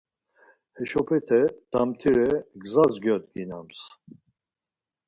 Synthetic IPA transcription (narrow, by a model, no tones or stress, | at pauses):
hɛʃɔpʰɛt̪ʰɛd̪̥amt̪ʰiɾɛɡzazɡjɔt̪ɡinams